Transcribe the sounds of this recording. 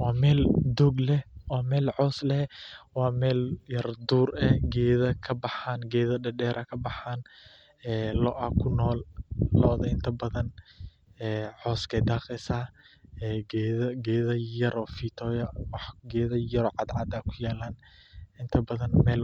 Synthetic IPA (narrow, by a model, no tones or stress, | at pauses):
wɑːmɛːld̪ɔːɡlɛwaːmɛːlʕɔːslɛwɑːmɛːljɐrd̪uːrɛɡɛːðɐkʰɐbɑħaːnɡɛːðɐɖɐɖɛːɾʔɐkʰɐbɑħaːn | ɛːlɔʔɐkʰʊnɔːlːɔːðɐɪnt̪ʰɐbɐðɐn | ɛːʕɔːskʰɛjd̪aːqɛsaːɛːɡɛðɐɡɛːðɐjɐɾɔːfiːt̪ʰɔːjɐwɑħɡɛːðɐjɐɾɔːʕɑd̪ʕɑd̪aːkʰʊjɛːlaːn | ɪnt̪ʰɐbɐðɐnmɛːl